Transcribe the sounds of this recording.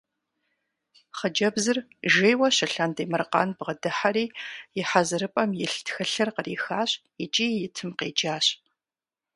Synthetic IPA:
χəd͡ʒɐbzɨr | ʒeːjwɐɕɪɬɐndeːmɐrqɑ̰ːnbʁədɨħaɾiːjɪħazɨɾɨpʼɐmjɪɬtxɐɬɐrqəriːxaːɕʼ | it͡ʃʼiːjɪtʰɨmqḛːd͡ʒaːɕʼ

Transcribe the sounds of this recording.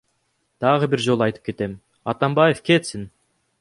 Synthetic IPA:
d̪̥ɑʁəbiɾd͡ʒo̞lˠɑjt̪ɯp̚ke̞t̪e̞m | ɑt̪ɑmbɑjefkʲe̞t̪sɪn

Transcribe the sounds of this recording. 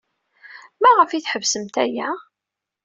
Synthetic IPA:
mæʁəfiθħəvsəmt̪æjæ

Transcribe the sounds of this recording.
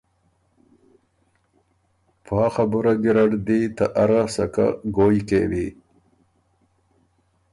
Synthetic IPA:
pʰaːxabuɾaɡiɾaɽd̪it̪aʔaɾasɐka̰ɡoːjkeːwi

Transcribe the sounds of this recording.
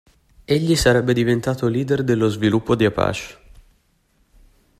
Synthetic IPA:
eʎːisaɾɛbːed̪ivent̪aːt̪oliːd̪erd̪elːozvilupːod̪iapa̰ːt͡ʃe̥

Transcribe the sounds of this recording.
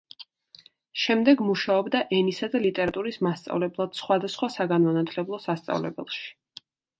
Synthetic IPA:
ʃɛmd̪ɛɡmuʃaɔbd̪aʔɛnisad̪alit̪ʼɛɾat̪ʼuɾismast̪sʼa̰vlɛblˠad̪̥sχwad̪asχwasaɡanmanat̪ʰlɛblˠɔsast̪sʼa̰vlɛ̰bɛ̰lˠʃi̥

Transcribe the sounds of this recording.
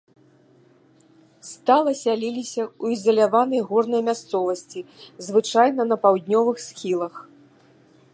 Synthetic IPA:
st̪alˠɐsʲalʲilʲisʲɐuizɐlʲavanɐjɣɔrnɐjɐmʲast̪sɔvɐsʲt͡sʲizvɨt͡ʂajnɐnɐpawd̪ʲnʲɔvɨxsxʲilˠɐx

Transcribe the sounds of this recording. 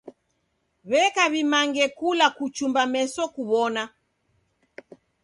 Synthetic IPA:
βɛkaβimaŋɡɛkulakut͡ʃumbamɛsɔkuβɔna

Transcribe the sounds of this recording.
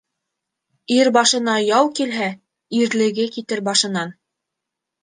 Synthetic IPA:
iɾbɑʃɤ̆nɑjɑwkilɦæ | iɾlɘ̆ɡɘkit̪ɘɾbɑʃɤ̆nɑn

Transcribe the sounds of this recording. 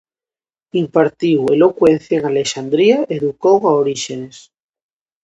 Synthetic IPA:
impaɾt̪iwelo̞kwen̟θjaeŋaleʃand̪ɾiaʔeðukowaoɾiʃenes

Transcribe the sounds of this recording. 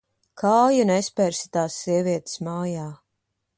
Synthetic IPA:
kʰaːjunɛspɛɾsi̥t̪aːsːiɛviɛt̪smaːjaː

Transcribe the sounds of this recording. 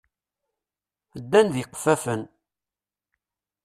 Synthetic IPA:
əd̪ːænðiqːfæfən

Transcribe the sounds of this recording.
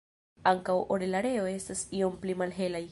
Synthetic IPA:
aŋkawʔoɾelaɾe̞oe̞stasio̞mplimalɦe̞laj

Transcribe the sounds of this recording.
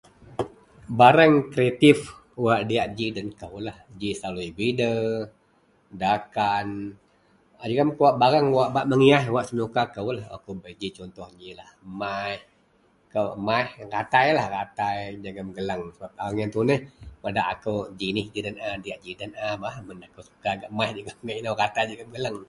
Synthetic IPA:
baɾaŋkɾieat̪if | waʔdijaʔd͡ʒidənkəwlahd͡ʒislaluibidə | dakan | ad͡ʒəɡamkuwaʔbaɾaŋwaʔbaʔməŋiaɦwaʔsənukakəwlahwa̰kuwbəd͡ʒit͡ʃɔnt̪ɔhd͡ʒilahmajh | kəwmajhrat̪ajlahrat̪ajd͡ʒaɡəmɡələŋsəbap̚awaŋjant̪unəhpadaʔakəwd͡ʒinɪhd͡ʒidənadiaʔd͡ʒidənabaʔmənakəwsu̥kaɡaʔmaihd͡ʒaɡəmŋainawrat̪ajd͡ʒəɡəmɡəlaŋ

